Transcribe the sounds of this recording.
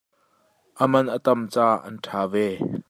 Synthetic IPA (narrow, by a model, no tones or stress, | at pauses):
ʔəmɐnʔət̪ɐmt͡saːʔɐ̰ntʰaːvɛː